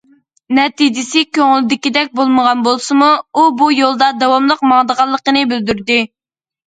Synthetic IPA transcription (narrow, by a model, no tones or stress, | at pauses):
nɛt̪id͡ʒɪsɪkʲʰøŋɪlɪd̪ɪkʲid̪ɛk̚ʲbolˠməʁɑnbolˠsɨmuubujolˠd̪ɑd̪ɑwɑmlˠəqmɑŋd̪əʁɑlˠːəqənɨbɪld̪yɾd̪ɪ